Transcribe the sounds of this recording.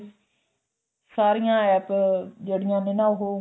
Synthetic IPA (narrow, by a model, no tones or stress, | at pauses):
saːɾijãːɛːpd͡ʒeːɽɪjãːnɪnãːʊɦoː